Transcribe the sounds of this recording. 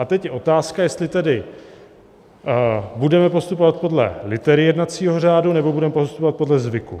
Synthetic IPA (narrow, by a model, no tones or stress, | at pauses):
at̪ɛcjɛʔo̞t̪aːskajɛst̪lɪt̪ɛdɪ | budɛmɛpo̞st̪upo̞vat̪̚po̞dlɛ̰lɪt̪ɛɾɪjɛdnat̪t͡siːɦor̝aːdunɛbo̞budɛmɛpost̪upo̞vat̪̚po̞dlɛzvɪkṵ